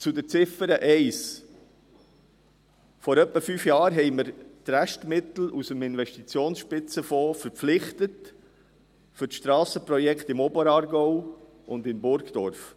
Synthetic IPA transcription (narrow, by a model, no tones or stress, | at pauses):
t͡sʊd̪əɾt͡sɪfəɾəʔɛɪs | fɔɾœpːəfyːfjɑːɾɦɛɪməɾtɾæʃtmɪt̪l̩usəmɪnʋɛʃtit͡sjoːnsʃpɪt͡səfɔːfəɾp͡flɪχtət | fʏɾʃtɾɑːsəpɾɔjɛkt̪ɪmɔbəɾɑːɾɡɔʊ | ʊndɪmbʊɾɡd̥ɔ̰ɾf